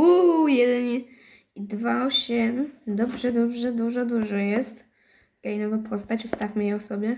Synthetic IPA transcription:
ujɛd̪ɛɲɛ | id̪vaɔɕɛmd̪ɔbʐɛd̪ɔbʐɛd̪uʐɔd̪uʐɔjɛst̪ | kɛjnɔvapʰɔst̪at͡ɕust̪afmɘjɛɔsɔbʲjɛ

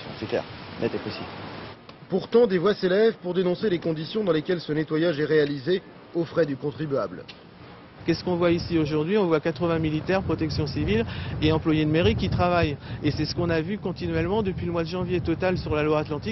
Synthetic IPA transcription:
sjɔ̃χiklɛ̰ʁnʔɛt̪epɔsḭl | puʁt̪ɑ̃d̪evwaselɛvpuʁd̪enɔ̃selekɔ̃d̪isjɔ̃d̪ɑ̃lekʲɛlsənet̪wajaʒɛʁealize | ofχɛd̪ykɔ̃t̪χibɥa̰bl | kʲɛsə̥kɔ̃vwaisioʒuʁd̪ɥiɔ̃vwakat̪χəvɛ̃milit̪ɛʁpχɔt̪ɛksjɔ̃sivileɑ̃plwajed̪əmeʁikʲit̪χavajesɛsə̥kɔ̃navykɔ̃t̪inɥɛlmɑ̃d̪əpɥiləmwad̪əʒɑ̃vjet̪ɔt̪alsyʁlalwaːt̪lɑ̃t̪ik

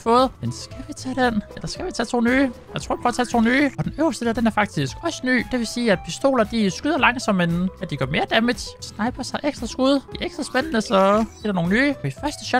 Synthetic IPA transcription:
fɔːð̩ˠmensɡ̥æʋit͡sʰɛd̥enelɐsɡ̥æʋit͡sʰɛt͡sʰo̝ːnyːjɑɪt͡sʰʁo̝ɐ̰pʰʁɔ̽ːt͡sʰɛt͡sʰo̝̰ːnyːɒ̽d̥enøʊɐsd̥əd̥eɐd̥enæɐfɑ̈ɡ̥̚d̥isɡ̥ɒ̽sə̥ny̰ːd̥e̝ʋe̝siːæd̥̚pʰisd̥o̝̰ːlɐd̥isɡ̥yðˠɐlɑ̈ŋ̰sɒ̽me̝næd̥iɡ̥ɶɐme̝ːɐd̥æmid̥snɑ̈ɪb̥ɐsɑ̈ɪʔeɡ̥sd̥ʁɐsɡ̥uð̞ˠd̥e̝æɐeɡ̥d̥ʁɐsb̥enənəsɒ̥eɾɑno̝ːn̩nyːɒ̥̽ifɶɐsd̥ə̥ɕɒ̥

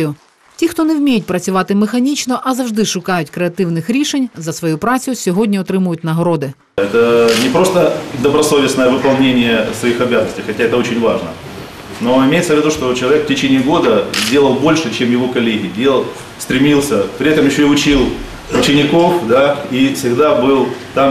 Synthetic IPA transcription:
jʊ | tʲixt̪onɛwmʲejʊt̚ʲpɾɐt͡sʲʊʋɑt̪ɪmɪxɐnʲit͡ʃnɔʔɐzɐwʐd̪ɪʃʊkɑjʊtʲkɾeɐt̪ɪwnɪxɾʲiʃenʲzɐsʋɔjupɾɑt͡sʲjʊsʲɔɦodʲnʲiɔt̪ɾɪmʊjʊtʲnɐɦɐɾod̪ɪ | ɛt̪ənʲɪpɾo̞st̪əd̪əbɾɐso̞vʲɪsnəjəvɨpɐlˠnʲenʲɪjəsʋɐixɐbʲazənəsʲtʲɪjxɐtʲaɛt̪əo̞t͡ɕɪnʲvaʐnə̰ | no̞ɪmʲejɪt̪səvʲːɪd̪uʂt̪o̞t͡ɕɪlˠɐvʲekftʲɪt͡ɕenʲɪɪɡo̞d̪əzʲdʲe̞lˠəlˠbo̞lʲʂɨt͡ɕemjɪʋo̞kɐlʲeɦʲɪdʲe̞lˠəlˠ | st̪ɾʲɪmʲilˠsʲəpɾʲɪɛt̪əmjɪɕːoiʊt͡ɕilˠ | ʊt͡ɕɪnʲɪko̞fd̪aifsʲɪɣd̪abɨlˠt̪am

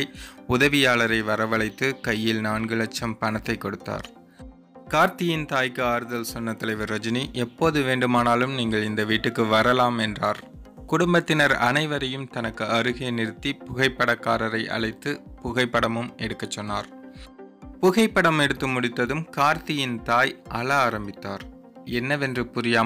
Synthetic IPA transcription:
ʊðɐʋɪjaːɭɐɾɐɪʋɐɾɐʋɐɭɐɪt̪ːɯkɐjːɪlnaːɳɡɯɭɐt͡ʃːɐmpɐnɐt̪ːɐɪkːɔɽɯt̪ːa̰ːɾ | kaːɾt̪ɪjɪnt̪aːjkːɯaːɾɯðɐlsɔnːɐt̪ːɐlɐɪʋɐɾːɐd͡ʒɪniʔɛpːoːðɯʋeːɳɖɯmaːnaːlɯmniːŋɡɐɭɪnd̪ɐʋiːʈːɯkːɯʋɐɾɐlaːmɛndraːɾ | kʊɽʊmbɐt̪ːɪnɐɾɐnɐɪʋɐɾɐjɯmt̪ɐnɐkːɯɐɾɯɣeːnɪɾɯt̪ːipʊɣɐɪpːɐɽɐkːaːɾɐɾɐɪʔɐ̰ɭɐɪt̪ːɯpʊɣɐɪpːɐɽɐmɯmɛɽɯkːɐt͡ʃːɔnːaːɾ | pʊɣɐɪpːɐɽɐmɛɽɯt̪ːɯmʊɽɪt̪ːɐðɯmkaːɾt̪ɪjɪnt̪aːjʔɐlɐaːɾɐmbɪt̪ːaːɾ | ɛnːɐʋɛndrɯpʊɾɪjaː

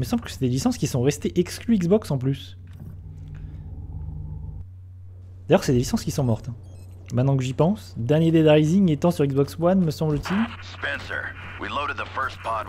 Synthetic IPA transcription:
məsɑ̃bləkə̥sɛd̪elisɑ̃skʲisɔ̃ʁɛst̪eʔɛksklyiɡzbɔksɑ̃plys | d̪ajœʁsɛd̪elisɑ̃skʲisɔ̃mɔʁt̪ɛ̃ | mɛ̃t̪nɑ̃kəʒipɑ̃sd̪ɛʁnjed̪ed̪ʁajziŋet̪ɑ̃syʁiɡzbɔkswanməsɑ̃blət̪ilspɛ̃nsə̰˞ | wḭloʊɾɨd̪̚ðəfɜ˞st̚pʰɑt̚

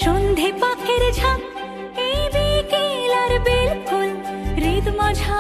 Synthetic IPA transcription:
ʃund̪ʱipakʰeɾd͡ʒʰa | ebikelaɾbelkolɾid̪mãd͡ʒʰʱa

